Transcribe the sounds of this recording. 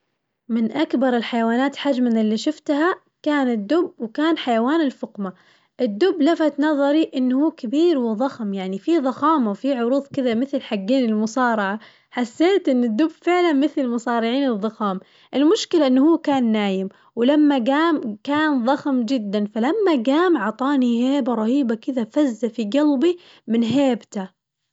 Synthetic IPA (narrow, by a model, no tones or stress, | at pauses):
mɪnʔakbɑɾˤɪlħajawaːnaːt̪ħad͡ʒmanɪlːiʃʊft̪ɦa | kaːnɪd̪ːʊbwɪkaːnħajawaːnɪlfʊqma | ʔɪd̪ːʊbːlafat̪nɑðˤɑɾiʔɪnːhuːkabiːɾwɪðˤɑxmjaʕnifiðˤɑxɑːmawfiʕʊɾuːðˤkɪðamɪθlħaɡːeːnɪlmʊsɑːɾˤɑʕa | ħasːeːt̪ʔɪnːɪd̪ːʊbfɪʕlanmɪθlɪlmʊsˤɑːɾɪʕiːnɨðˤːɑxɑːm | ʔɪlmʊʃkɪlaʔɪnːhuːkaːnːaːjɪm | wɪlamːaɡaːmkaːnðˤɑxmd͡ʒɪd̪ːanfalamːaɡaːmʕɑt̪ˤɑːniheːbaɾˤɑhiːbakɪðafazːafiɡalbi | mɪnɦeːbt̪a